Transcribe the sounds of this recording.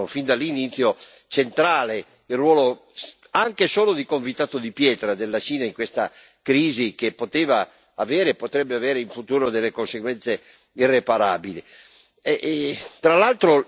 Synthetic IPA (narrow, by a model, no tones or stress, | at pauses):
ofind̪alːinit̪sːjo | t͡ʃent̪ɾaːle | ilrːwɔːlo | aŋkesoːlod̪ikoɱvit̪aːt̪od̪ipjɛːt̪ɾad̪elːat͡ʃiːnaiŋkwest̪a̰ | kɾiːzik̟epːot̪eːva | aveːɾeːpːot̪ɾɛbːeaveːɾeiɱfut̪uːɾod̪elːekonseɡwɛnt̪se | irːepaɾaːbili | ɛt̪ɾalalt̪ɾo